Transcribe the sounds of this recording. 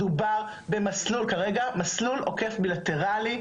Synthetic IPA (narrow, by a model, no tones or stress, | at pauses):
ubaʁ | be̞maslulkaʁeɡamasluloke̞fbilat̪e̞ʁali